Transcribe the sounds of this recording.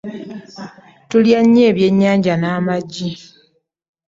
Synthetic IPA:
tuljaɲːe̞ːβje̞ɲːaːɲɟanaːmaɟːi

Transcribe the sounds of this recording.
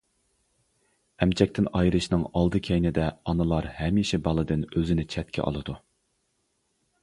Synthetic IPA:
ɛmt͡ʃʰɛk̚ʲt̪ɪnɑjɾɨʃnɨŋɑlˠd̪ɨkʲʰejnɪd̪ɛɑnɨlˠɑɾhɛmiʃɛbɑlˠɨd̪ɨnøzɪnɪt͡ʃʰɛt̪̚kʲʰɛ̰ʔɑ̰lˠɨd̪u

